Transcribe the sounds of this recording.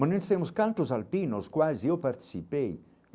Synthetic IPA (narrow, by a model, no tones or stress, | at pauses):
mɐnẽnst̪ẽmʊskãnt̪ʊzalpinoskwajzewpaɾt̪i̥sipej